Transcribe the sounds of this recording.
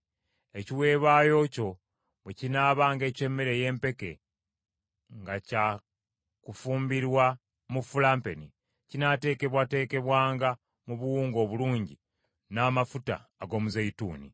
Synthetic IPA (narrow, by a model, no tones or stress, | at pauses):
e̞ciwe̞ːβaːjo̞ːco̞ | βwecinaːβaːŋɡe̞ːce̞mːeɾe̞je̞ːmpe̞ke̞̰ | ŋɡaca | kufuːmbiɾwa | mufulaːmpe̞ni | cinate̞ːke̞βwate̞ːke̞βwaːŋɡa | muβuwuːŋɡo̞ːβuluːɲɟi | naːmafuta̰ːɡo̞ːmuzeitṵːnḭ